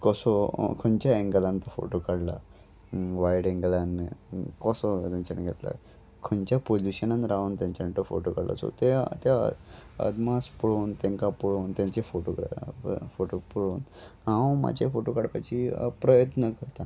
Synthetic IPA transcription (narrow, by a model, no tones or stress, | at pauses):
kɔsɔkʰənt͡ɕjaẽŋɡlant̪əfo̰ʈokaɽla̰ | ʋaiɽẽŋɡlankɔsɔt̪ãɲt͡ɕanɡʱet̪la̰ | kʰənt͡ɕapod͡ʑiɕənanɾaʋnt̪jãɲt͡ɕaɳʈəfo̰ʈokaɽla̰so̰t̪et̪ja̰ə̰d̪maspuɭoːnt̪ẽŋkapuɭoːnt̪jãɲt͡ɕefoʈoɡɾafoʈopuɽoːnɦãwma̰d͡ʑefoʈokaɽpat͡ɕipɾəjət̪nəkəɾt̪a